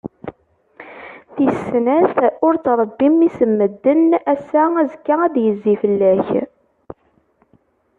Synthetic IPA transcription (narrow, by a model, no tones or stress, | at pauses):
θisnæθʊɾt͡sːɾˤəbːimːisəmːəd̪ːənæsææzkːææðjəzːifəlːæç